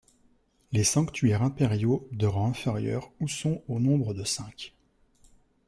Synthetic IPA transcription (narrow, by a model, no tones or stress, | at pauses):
lesɑ̃kt̪ʰɥɛʁɛ̃pɛʁjod̪əʁɑ̃ɛ̃fɛʁjœ̰ːʁusɔ̃onɔ̃bʁəd̪əsɛ̃k